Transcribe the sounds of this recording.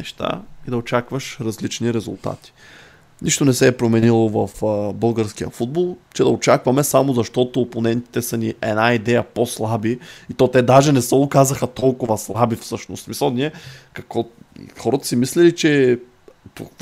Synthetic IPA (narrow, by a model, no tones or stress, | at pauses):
nɛʃt̪a̰id̪ɐot͡ʃakvəʃɾɐzlit͡ʃniɾɛzṵlˠt̪a̰t̪i̥ | niʃt̪onɛsɛːpɾomɛnilˠovɐfbɤlˠɡəɾskijə̰fud̪̚bolˠt͡ʃɛd̪ɐot͡ʃakvɐmɛsamozɐʃt̪ɔt̪oːponɛnt̪i̥t̪ɛsɐniʔɛnaid̪ɛjəposlˠabiit̪ɔt̪ɛd̪aʒɛnɛsəʊkazəxət̪ɔlˠkʊvɐslˠabifsɤʃno̰st̪smisəlˠniɛkɐkvɔ̰xɔɾət̪ə̥simislɛlit͡ʃɛ | po̰